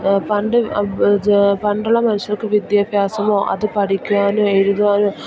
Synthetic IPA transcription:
pɐɳɖɯ | pɐɳɖɐɭɐmɐnɪʂɐɾɯkːɯʋɪd̪jɐpjaːsɐmõːʔɐ̰ðɯpɐɽɪkʲːɯʋaːnɯ̃ɛɻɯðɯʋaːnɯ̃

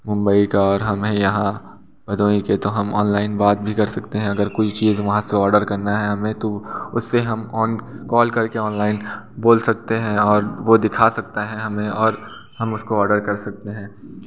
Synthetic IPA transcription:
mʊ̃mbəikaɔːɾɦɐmɦẽjɐɦã | bɐd̪ʱoːiket̪oɦɐmɔ̰ːnlaːɪnbaːt̪̚bʱikɐɾsɐkt̪eɦɛ̃ɐɡəɾkʊt͡ʃt͡ʃiːzʋɐɦãseɔːɾɖəɾkɐɾnaɦɛɦɐmẽt̪oʊsːeɦɐmɔːnkɔːlkɐɾkeɔːnlaːɪn | boːlsɐk̚t̪eɦɛ̃ɔːɾʋod̪ɪkʰasɐk̚t̪aɦɛ̃ɦɐmẽɔːɾ | hɐmʊskoɔːɾɖəɾkɐɾsɐk̚t̪eɦɛ̃ː

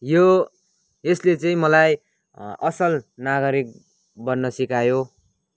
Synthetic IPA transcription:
jo | eslet͡sʌĩmʌlaj | ʌsʌlnaɡʌɾik̚ | bʌnnːʌsikajo

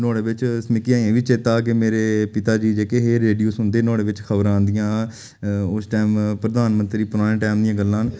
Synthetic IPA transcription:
nɔːɽeːʋɪt͡ʃsmɪkiãːẽːʋiːt͡ʃeːt̪aːkɪmeːɾeːpɪt̪aːd͡ʒiːd͡ʒeːkeːɦeːɾeːɖijoːsʊnd̪eːnɔːɽeːʋɪt͡ʃkʰəbəɾãːnd̪ijãː | ʊsʈaːmpɾəd̪aːnmənt̪ɾiːpʊɾaːɽ̃ẽːʈɛːmd̪ijãːɡəlːãːn

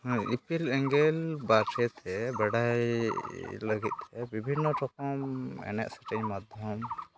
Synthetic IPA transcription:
ḭpilɛŋɡɛlbaʈʰɛt̪ʰɛbəɖaj | ləɡit̪̚ˀt̪ɛbibʱinːɔʈɔkɔmɛ̰nɛ̰ʔsḁʈɛɲmad̪ʱjɔm

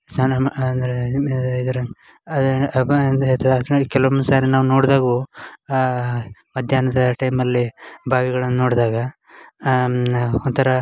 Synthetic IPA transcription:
sanɐnd̪ɾeid̪ɐɾɐ | ɐd̪ | t̪ʰɐd̪kɛlɐʋɐmsaːɾinaːʋnoːɽd̪aːɡoː | mɐd̪ʱjaːnɐd̪ɐʈɐjmɐlːibʱaːʋiɡɐɭɐnːuno̞ːɽd̪aːɡɐ | ont̪ʰɐɾɐ

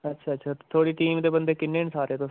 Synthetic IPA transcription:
ətːʃʰaːətːʃʰaːt̪ʰoːɽiːʈiːmd̪eːbə̃nd̪eːkɪnːeːnsaːɾeːt̪oː

